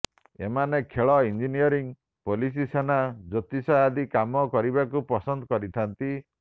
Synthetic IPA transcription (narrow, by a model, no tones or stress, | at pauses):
ḛmanekʰeɭɔind͡ʒinijɔɾiŋ | polis̬isenad͡ʒɔt̪isaad̪ikamɔkɔɾibakupɔsɔnd̪ɔkɔɾit̪ʰant̪i